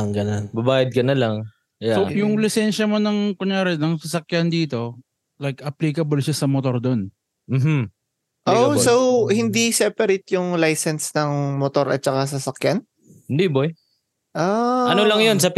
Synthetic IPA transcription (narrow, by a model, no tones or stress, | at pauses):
ŋɡɐnonbɐbaːjɐd̪̚kɐnɐlaŋ | jaojʊŋlɪsɛnʃɐmonɐŋkʊɲjaːɾɛnɐŋsɐsɐkjand̪iːt̪o̞ | lajkʔɐpliːkɐbolʃasɐmot̪o̞ɾd̪o̞n | m̩ːm̩ | ʔosowhɪnd̪isɛpɐɾet̪jʊŋlajsɛnsnɐŋmot̪o̞ɾɐ̰t̪̚t͡ʃɐkas̬ɐsɐkjan | hɪnd̪iboj | ʔoɐnolɐŋjonsɐp